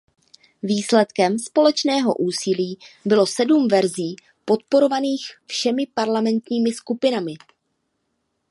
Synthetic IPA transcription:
viːslɛt̪kɛmspo̞lɛt͡ʃnɛːɦo̞̰ʔuːsɪliːbɪlo̞sɛdumvɛɾziː | po̞t̪̚po̞ɾo̞vaniːxfʃɛmɪpaɾlamɛnt̪ɲiːmɪskupɪnamɪ

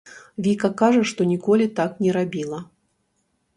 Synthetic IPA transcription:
vʲikɐkaʐɐʂt̪ɔnʲikɔlʲit̪aknʲɛɾabʲilˠɐ

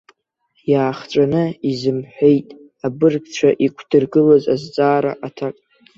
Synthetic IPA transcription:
jaːχʈ͡ʂʷʼanɨizɨmħʷᶣe̞jtʼ | abɨrɡt͡ʃʷʰaʔikʷʰd̥ɨrɡɨlaza̰zt͡sʼaːɾaʔatʰakʼ

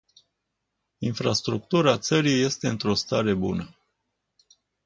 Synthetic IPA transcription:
infɾast̪ɾuk̚t̪uɾat̪səɾije̞st̪e̞ɨnt̪ɾo̞st̪aɾe̞bunə

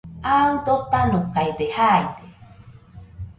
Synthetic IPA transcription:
aud̪ot̪anũkajd̪ehajd̪e

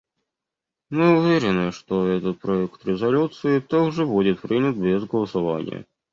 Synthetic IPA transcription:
mɨʊvʲeɾʲɪnɨʂt̪oɛt̪ət̪̚pɾɐɛkt̪ɾʲɪzɐlʲut̪sɨɪt̪oɡʐɨbudʲɪt̪̚pɾɨnʲət̪̚bʲɪzɡəlˠəsɐva̰nʲɪ̰jə̰

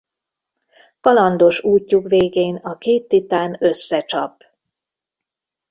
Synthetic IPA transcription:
kɒlɒnd̪o̞ʃuːcːukveːɡeːnɒkeːt̪ːit̪aːnø̞sːɛt͡ʃɒp

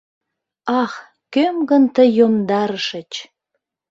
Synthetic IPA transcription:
ɑx | kømɡənt̪əjomd̪ɑɾəʃət͡ɕ

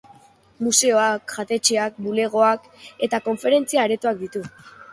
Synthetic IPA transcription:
muse̞o̞akʝat̪e̞t͡ʃeak̚bule̞ɣ̞o̞ak | e̞t̪ako̞ɱfe̞ɾe̞nt͡siaeɾe̞t̪uak̚d̪it̪u

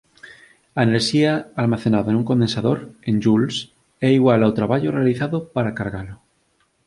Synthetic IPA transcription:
aeneɾʃiaːlmaθenaðanũŋko̞nd̪ensaðoɾẽnd͡ʒuls | ɛiɣwalawt̪ɾaβaʎorealiθaðopaɾakaɾɣalo

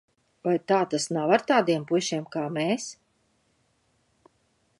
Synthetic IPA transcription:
vajt̪aːt̪asnavaɾt̪aːd̪iɛmpuʃiɛmkaːmɛːs

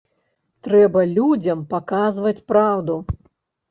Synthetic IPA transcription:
t̪ɾɛbɐlʲud͡zʲɐmpakazvɐt͡sʲpɾawd̪u

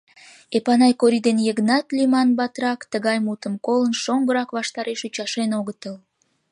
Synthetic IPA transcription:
epɑnɑjkoɾid̪enjəɣnɑt̪limɑnbɑt̪rɑkt̪əɣɑjmut̪əmkolənʃoŋɡəɾɑkβɑʃt̪ɑɾeʃut͡ɕɑʃenoɣət̪əl

